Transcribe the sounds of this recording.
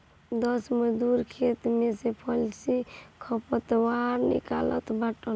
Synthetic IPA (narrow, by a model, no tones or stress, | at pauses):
d̪əsməd̪uɾkʰet̪mesepʰəlsikʰɔpət̪waɾnḭkalə̰t̪baʈən